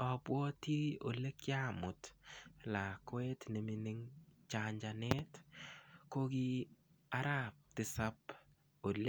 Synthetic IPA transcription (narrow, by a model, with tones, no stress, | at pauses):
ɔ˨bwɔ˦ti˦o̰˨le˦kja˦mʊ˨tla˨kwe˦tne˨mi˨ni˦ŋt͡ʃaɲd͡ʒa˨ne˦t | ko˦ɡi˦ | a˦ɾa˦p̚tɪ˨sa˦p | o˨l